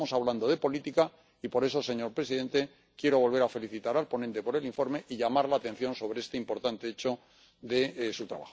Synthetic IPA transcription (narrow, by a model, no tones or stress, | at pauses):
mosaβland̪o̞ð̞e̞po̞lit̪ika | ipo̞ɾe̞so̞se̞ɲo̞ɾpɾe̞siðe̞nt̪e̞ | kje̞ɾo̞βo̞lβe̞ɾafe̞liθit̪aɾalpo̞nẽnt̪e̞po̞ɾe̞liɱfo̞ɾme̞ʔiʎamaɾlaːt̪ẽ̞n̟θjo̞nso̞βɾeest̪eimpo̞ɾt̪ant̪eet͡ʃo̞ | ðe̞sut̪ɾa̰βa̰xo